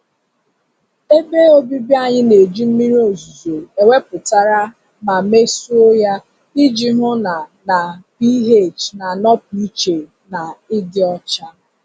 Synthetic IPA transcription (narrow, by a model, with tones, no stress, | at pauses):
e˦be˦o˦bi˦bja˦˨ɲɪ˦ne˨d͡ʒi˦m̩˦mi˦ɾi˦o˨zu˨zo˨e˨we˦pʊ˨ta˦ɾa˦ | ma˨me˦su˦o˦ja˦ | i˦d͡ʒi˦ɦʊ˦na˨na˨pi˦ɦe˦˨t͡ʃna˨nɔ˦p̚i˦t͡ʃe˨ | na˨ɪ˦dɪ˦ɔ˦t͡ʃa˦